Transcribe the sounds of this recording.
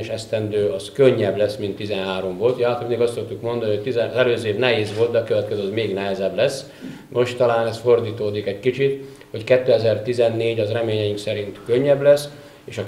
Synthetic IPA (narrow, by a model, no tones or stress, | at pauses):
ʃɛst̪ɛnd̪øːɒskøɲːɛblɛsmint̪ːizɛnɦaːɾo̞mvolt̪jalt̪oneːɡɒst̪sokt̪ukmo̞nd̪ɒnihoc̚t̪izɛzɛløːzeːvnɛɦeːzʋo̞lt̪d̪ɛɒkøvɛt̪kɛzøɒzmeːɡnɛɦɛzɛblɛsː | mʔo̞ʃt̪ːɒlaːnɛsfo̞rd̪iːt̪oːd̪ikɛckit͡ʃit̪ | ho̞ckɛt̪ːøːɛzɛrt̪izɛnːeːɟɒzrɛmeːɲɛjiŋksɛɾint̪køɲːɛblɛs | eːʃɒ